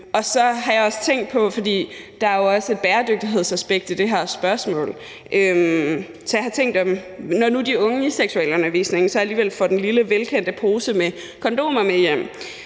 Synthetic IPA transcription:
ʔɒ̽sɒ̽ɦɑ̈jɑ̈ɒ̽sə̥t͡sʰeŋ̰d̥̚pʰɒ̽fɒ̽d̥ḭːd̥ɑ̈æɐjo̝ɒ̽səe̝d̥̚b̥æːɐd̥øɡ̥̚d̥iɦe̝ð̞̰ˠsæsb̥eɡ̥̚d̥id̥e̝ɦæɐsb̥ɶɐsmɔ̰̽ːl | ʔøm | sɒjɑhɑ̈t͡sʰeŋ̰ɡd̥ɒ̽mnɒnud̥iɔ̽ŋəiseɡ̥suɛ̰ːləɔ̽nɐʋḭːsne̝ŋsɒæliːʋel̰fɒ̽d̥enliləʋelkʰen̰d̥əpʰo̝ːsəme | kʰɒ̽nd̥o̝̰ːmɒmejem̰

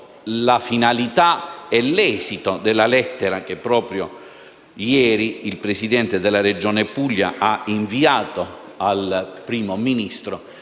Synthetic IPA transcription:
lafinalit̪aɛlːɛːsit̪od̪elːalɛt̪ːeɾak̟epːɾɔːpɾjo | jɛːɾiːlpɾesid̪ɛnt̪ed̪elːared͡ʒoːnepuʎːa̰ʔaiɱviaːt̪o | alpɾiːmominist̪ɾo

